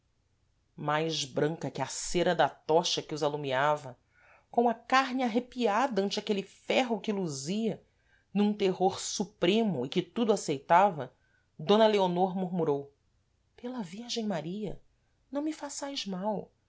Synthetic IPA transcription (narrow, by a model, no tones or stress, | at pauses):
majʒbɾɐ̃ŋkɐkɪaseɾɐd̪ɐt̪ɔʃɐkɪʊzalumiavɐ | kõɐkaɦnɪaɦepiad̪ɐɐ̃nt͡ʃɪakelɪfɛɦʊkɪluziɐ | nũt̪eɦoɾsupɾẽmʊɪkɪt̪ud̪ʊasejt̪avɐ | d̪õnɐleonoɾmuɾmuɾow | pelɐviɾʒẽj̃maɾiɐ | nɐ̃w̃mɪfasajzmaw